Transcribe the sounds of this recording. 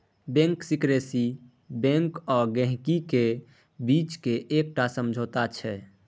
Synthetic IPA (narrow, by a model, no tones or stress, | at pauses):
bɛ̃ŋksikɾesi | bɛ̃ŋkɔɾɡɛ̃ɦkike | bit͡ʃkeʔek̚ʈasəmd͡ʒʱot̪at͡ʃʰɛ